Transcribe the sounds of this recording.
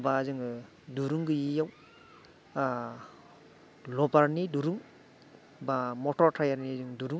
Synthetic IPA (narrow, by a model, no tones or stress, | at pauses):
bazɯŋ | duɾuŋɡɯjijaw | lɔbaɾniduɾuŋ | bamɔtɔɾtʰajaɾnizɯŋduɾuŋ